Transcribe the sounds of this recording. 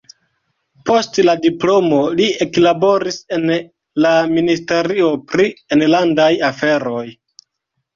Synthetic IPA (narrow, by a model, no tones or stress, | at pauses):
po̞stladiplo̞mo̞lieklabo̞ɾise̞n | laministe̞ɾio̞pɾienlandajafe̞ɾo̞j